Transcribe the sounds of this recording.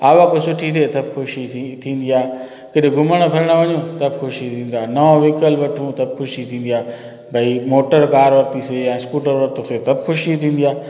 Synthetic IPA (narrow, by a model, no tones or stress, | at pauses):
aːʋakosʊʈʰit̪ʰet̪ɐbxʰʊʃit̪ʰĩːn̆d̪iaː | keɗ̃ɡʱʊməɽ̃əpʰɐɾəɽ̃əʋɐɲũt̪ɐbxʰʊʃit̪ʰĩːn̆d̪aːnɐõʋiːkəlʋɐʈʰũt̪ɐbxʊʃit̪ʰĩːn̆d̪iaː | bʱɐimoːʈəɾkaːɾʋɐɾt̪isejãːskuːʈəɾʋɐɾt̪õset̪ɐbʱxʊʃit̪ʰĩːn̆d̪ijaː